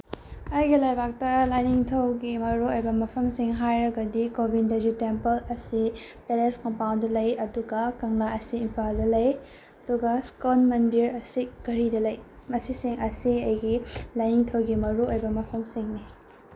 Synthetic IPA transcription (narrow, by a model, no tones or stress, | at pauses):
ɐjɡilajbak̚tɐlajniŋtʰɐwɡimɐɾuojbɐmɐpʰɐmsiŋɦajɾɐɡɐdikobʱinded͡ʒutempɐlɐsipeleskompawndɐlɐjɐduɡɐkɐŋlaɐsiːmpʰaldɐlɐj | ɐduɡɐskonmɐndiɾɐsikɐɾidɐlɐjmɐsisiŋɐsiɐjɡilajniŋtʰɐwɡimɐɾuojbɐmɐpʰɐmsiŋni